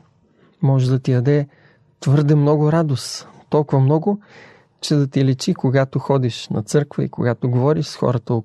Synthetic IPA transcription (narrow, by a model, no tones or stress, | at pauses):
mɔʒɛd̪ɐt̪ijɐd̪ɛ | t̪vɤɾd̪ɛmnɔɡʊɾad̪ost̪ɔlˠkʊvɐmnɔɡʊ | t͡ʃɛd̪ɐt̪ilɛt͡ʃikoɡat̪oxɔd̪iʃnɐ̰t̪sɤɾkvə̰ḭkoɡat̪oɡovɔɾiʃsxɔ̰ɾət̪əo